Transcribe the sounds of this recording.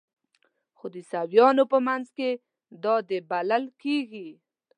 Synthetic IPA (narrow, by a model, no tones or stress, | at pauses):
xod̪əsawjɑnopəmanzke | d̪ɑd̪əbalalkeɡi